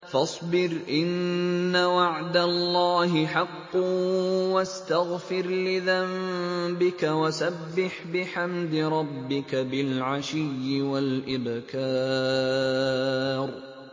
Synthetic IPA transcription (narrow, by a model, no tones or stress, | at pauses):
fɑsˤbɪɾʔɪnːawaʕd̪alːɑːɦɪħɑqː | wast̪aɣfɪɾlɪðambɪkawasabːɪħbɪħamd̪ɪɾˤɑbːɪkabɪlʕaʃɪjːɪwalʔɪbkaː | ɾ